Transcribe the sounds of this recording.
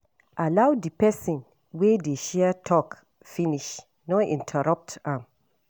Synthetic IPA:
ʔalawdipɛsɔ̃n | wedeʃɛətʰɔk | finiʃ | nɔḭ̃ntʰɛɹap̚tãm

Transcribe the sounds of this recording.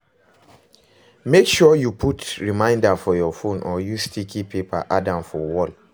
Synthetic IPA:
mekʃɔjupʰutɹimãɪ̃ndafɔjɔfõnʔɔjustikʰipepa̰ʔadãmfɔwɔl

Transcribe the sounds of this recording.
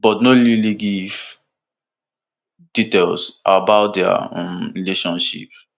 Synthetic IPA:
bɔtnoliliɡif | d̥itelsʔa̰bawt̚dɛã̰nɹileʃɔ̃nʃḭp

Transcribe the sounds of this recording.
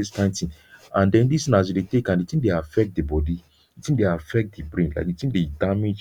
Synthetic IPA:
estãntĩn | ãndɛ̃ndistĩnas̬judetekãnditĩndeafɛk̚t̚dibɔdi | itĩdeafɛk̚t̚dibɹĩnla̰ɪkditĩndedamed͡ʒ

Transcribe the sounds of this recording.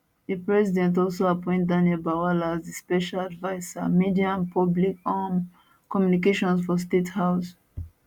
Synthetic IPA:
ðepɹɛsidɛ̃ntɔlsoapɔ̃ɪ̃nt̚dãniɛlbawalaːzespɛʃaladvaɪsa̰midiãmpʰɔblikam | kɔmjunikeʃɔ̃nsfɔs̬tethaʊs

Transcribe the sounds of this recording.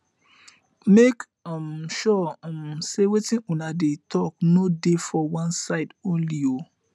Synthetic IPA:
mek | mʃɔ̃msewetĩnũnadetʰɔknodefɔwãnsaɪdõnlio

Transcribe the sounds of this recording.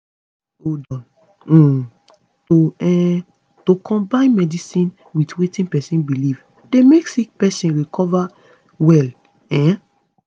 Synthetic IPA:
odɔ̃ñ̩ | toɛ̃ | tokʰɔ̃mbãɪ̃nmɛdisĩn | witwetĩnpɛsĩnbiliv | demeksik̚pɛsĩnɹikʰɔva | wɛl | ɛ̃

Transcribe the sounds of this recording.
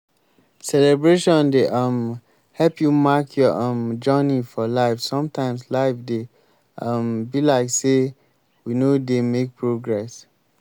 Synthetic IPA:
sɛlɛbɹeʃɔ̃ndeʔʌm | hɛlpʰjumakʰjɔʔɔmd͡ʒɔnifɔlaɪfsɔ̃mtʰãɪ̃mslaɪfde | ʌmbilaɪkse | winodemek̚pʰɹoɡɹɛs

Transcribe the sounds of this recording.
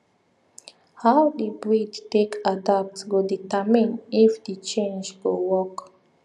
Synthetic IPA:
hawdibɹidtekʰadap̚tsɡoditəmĩnifdit͡ʃẽnd͡ʒɡowɔk

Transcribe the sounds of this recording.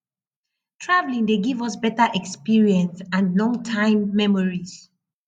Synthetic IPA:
tʰɹavlĩŋdeɡivɔsbɛtaʔɛkspiɹiɛ̃nsãnlɔ̃ŋtʰãɪ̃mːɛmɔɹiz

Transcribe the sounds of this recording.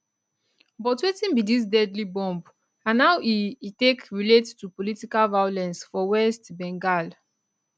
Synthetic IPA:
bɔtwetĩnbidis̬dɛdlibɔ̃mb | ãnːawitekɹilettupolitikalvajolɛ̃nsfɔwɛstbɛ̃ŋɡal

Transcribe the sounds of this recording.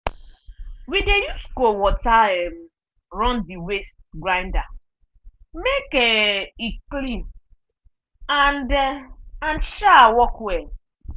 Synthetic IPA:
widejuskowɔtaɛm̩ | ɾɔ̃ndiwestɡɾãɪ̃nda | mekeiklĩm | andanʃawɔkwe

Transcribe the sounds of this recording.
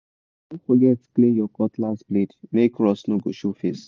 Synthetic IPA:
õnfɔɡɛtklĩnjɔkɔtlasblidmekɹɔsnoɡoʃofes

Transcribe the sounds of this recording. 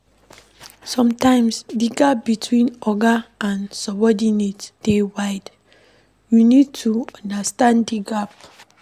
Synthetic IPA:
sɔ̃mtãɪ̃msdiɡap̚bitʰwĩnɔɡaãnsɔbɔdinetd̥ewaɪd | junid̚tʰuɔ̃ndastãndiɡap

